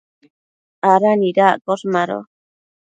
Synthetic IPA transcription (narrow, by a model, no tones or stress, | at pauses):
aɾaniɾaʔkosmaɾo̰